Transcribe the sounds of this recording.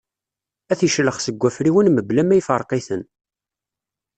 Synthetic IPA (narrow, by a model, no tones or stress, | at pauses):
æθiʃləχsəɡʷːæfɾiwənməblæmːæjfəɾˤqiθən